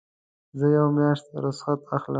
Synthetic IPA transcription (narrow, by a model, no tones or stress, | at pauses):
zəjawmjɑʂt̪aɾʊsxat̪axlə